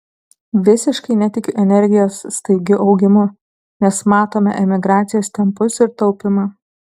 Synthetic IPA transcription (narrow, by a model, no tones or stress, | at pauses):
ʋʲɪsʲɪʃkɐɪnʲɛt̪ʲɪkʲʊɛnʲɛɾʲɡʲɪjoːsːt̪ɐɪɡʲʊʔɒʊɡʲɪmʊ | nʲɛsmɑːt̪oːmʲɛ̰ʔɛmʲɪɡɾɑːt̪sʲɪjoːst̪ʲɛmpʊsɪɾt̪ɒʊpʲɪmɑː